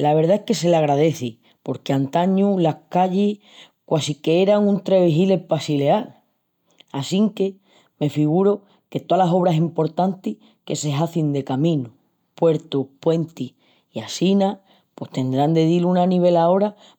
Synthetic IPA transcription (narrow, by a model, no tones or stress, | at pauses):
laβ̞e̞ɾðaehke̞se̞laɣ̞ɾaðe̞θi | po̞ɾkeant̪aɲulahkaʎih | kwasikeeɾaŋũnt̪ɾeβiɦile̞pasile̞al | asiŋke̞ | me̞fiɣ̞uɾo | ke̞t̪oalaso̞β̞ɾasimpo̞ɾt̪ant̪i | ke̞se̞ɦaθind̪e̞kamĩnu | pwe̞ɾt̪upwe̞nt̪ih | iasina | pwe̞ht̪e̞nd̪ɾand̪e̞ð̞ilunaniβ̞e̞lao̞ɾa